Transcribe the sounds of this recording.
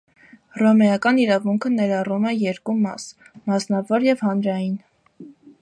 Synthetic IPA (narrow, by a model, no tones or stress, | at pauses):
rɔmɛjɑkɑniɾɑvuŋkʰənɛɾɑrumɛjɛɾkumɑ̰s | mɑsnɑvɔɾjɛvhɑnɾɑjin